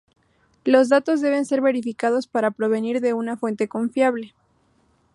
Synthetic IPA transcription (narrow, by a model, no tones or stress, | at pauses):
lo̞zðat̪o̞zðe̞βe̞nse̞ɾβe̞ɾifikað̞o̞spaɾapɾo̞βe̞niɾðe̞unafwe̞nt̪e̞ko̞ɱfjaβle̞